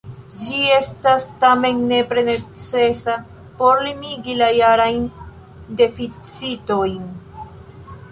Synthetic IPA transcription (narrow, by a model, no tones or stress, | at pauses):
d͡ʒie̞stastame̞nːe̞pɾe̞ne̞t͡se̞sa | po̞ɾlimiɡilajaɾajn | de̞fit͡sito̞jn